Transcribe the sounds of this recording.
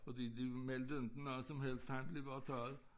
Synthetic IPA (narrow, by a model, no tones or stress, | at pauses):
fɔd̪iːd̪imɛld̪əʉnd̪̥n̩nɔsɔmhɛlt̪ʰːãɪmbliʋɑt̪ʰɑːð̩ˠ